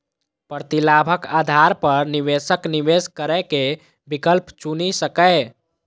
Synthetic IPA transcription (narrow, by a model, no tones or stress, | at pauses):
pɾt̪ilabʱəkad̪ʱaɾpəɾniʋesəkniʋeskəɾɛke | bikəlpt͡ʃunisəkəɪ